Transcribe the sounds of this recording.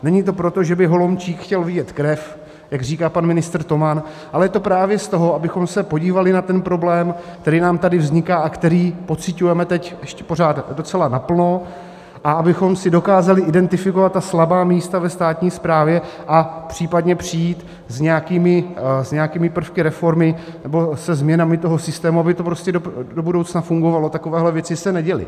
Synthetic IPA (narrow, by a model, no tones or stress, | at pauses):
nɛɲit̪o̞pɾo̞t̪o̞ʒɛbɪɦo̞lomt͡ʃiːkxcɛlvɪɟɛt̪kɾɛf | jaɡr̝iːkaːpanmɪnɪst̪r̩t̪o̞man | ʔalɛjɛt̪o̞pɾaːvjɛst̪o̞ɦoʔabɪxo̞msɛpo̞ɟiːvalɪnat̪ɛnpɾo̞blɛːmk̚t̪ɛɾiːnaːmt̪adɪvzɲɪkaːʔakt̪ɛɾiːpo̞t͡sɪcujɛmɛt̪ɛcʔɛʃcɛ̥po̞ɾ̝aːt̪do̞t͡sɛlanapl̩no̞ | ʔaabɪxo̞msɪdo̞kaːzalɪʔɪdɛnt̪ɪfɪko̞vat̪ːaslabaːmiːst̪avɛst̪aːt̪ɲiːspɾaːvjɛʔapr̝̥iːpadɲɛpr̝̥ijiːt̪ | zɲɛjakiːmɪzɲɛakiːmɪpr̩fkɪɾɛfo̞ɾmɪ | nɛbo̞sɛzmɲɛnamɪt̪o̞ɦo̞sɪst̪ɛːmuabɪt̪o̞pɾoscɛdodobudo̞wt͡snafuŋɡo̞valo̞t̪akovɛːɦlɛvjɛt͡sɪsɛnɛɟɛlɪ̰